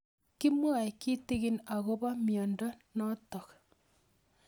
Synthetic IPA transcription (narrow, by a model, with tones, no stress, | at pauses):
ki˦mwa˨e˨ki˦te˦ɣi˦na˨ɣo˦βa˦mjɔ˨ndɔ˦nɔ˦tɔ˨k